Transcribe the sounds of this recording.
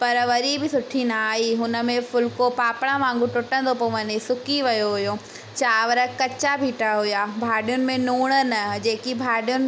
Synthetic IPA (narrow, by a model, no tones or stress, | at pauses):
pɐɾʋɐɾibɪsʊʈʰinaaːɦiɦʊnə̆mẽfʊlkopaːpɽ̃ãmãːŋ̆ɡũʈʊʈə̃nd̪opoːʋənesʊkiʋɐjoɦʊjo | t͡ɕʰaːʋəɾəkɐt͡ɕabʱiːʈaɦʊjaːbʱaːɖijʊnɪ̆mẽnuːɽ̃ən̆d͡ʑeːkibʱaːɗijʊnɪ